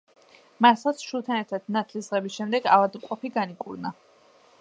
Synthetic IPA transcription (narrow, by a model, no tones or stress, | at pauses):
maɾsat̪sʃulˠt̪ʰanɛɾt̪ʰad̪̥nat̪ʰlisʁɛbisʃɛmd̪ɛɡavad̪mqʼɔpʰiɡaniqʼṵɾna